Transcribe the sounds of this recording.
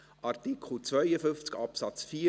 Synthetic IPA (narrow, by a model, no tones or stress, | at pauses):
ʔɑɾt̪ikʰχəl̩t͡svœjəfʏnft͡skɑpsɑt͡sfiː